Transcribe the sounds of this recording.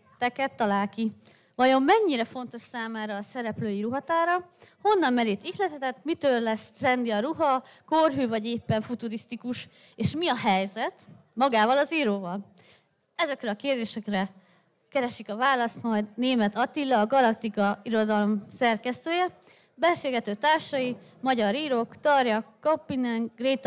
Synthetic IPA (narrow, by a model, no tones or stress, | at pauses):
t̪ɛkɛt̪ːɒlaːlki | vɒjo̞mːɛɲːiɾɛfo̞n̪t̪o̞ʃsaːmaːɾɒːsɛɾɛpløːjiɾuɦɒt̪aːɾɒho̞nːɒmmɛɾiːt̪iklɛt̪ɛt̪ɛt̪mit̪øːllɛst̪rɛnd̪iɒɾuɦɒkorɦyːvɒɟeːpːɛɱfut̪uɾist̪ikuʃ | eːʃmiɒɦɛjzɛt̪mɒɡaːvɒlɒziːɾoːvɒl | ɛzɛkrɛɒkeːrd̪eːʃɛkrɛ | kɛɾɛʃikɒvaːlɒst̪mɒjd̪neːmɛt̪ɒt̪ilːɒːɡɒlɒk̚t̪ikɒiɾo̞d̪ɒlomsɛrkɛst̪øːjɛ | bɛseːlɡɛt̪øːt̪aːrʃɒji | mɒɟɒɾiːɾo̞kt̪ɒrjɒkːɒpːinɛŋɡreːt̪